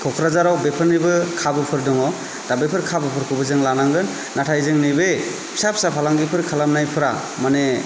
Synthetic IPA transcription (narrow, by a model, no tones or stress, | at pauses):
kʰɔkʰɾazaɾawbepʰɯnɾɯbɯkʰabɯpʰɯɾdɔŋɔ | d̥abepʰɯɾkʰabɯpʰɯɾkʰubɯzɯŋlanaŋɡɯnːatʰajzɯŋnibej | sap̚sapʰalaŋɡipʰɯɾkʰalamnajpʰɯɾa | mane